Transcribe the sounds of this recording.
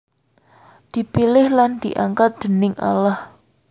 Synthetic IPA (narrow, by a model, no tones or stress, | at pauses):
d̪̥i̤pilɪhland̪̥iʔaŋkat̪̚d̪̥ə̤nɪŋʔa̰lah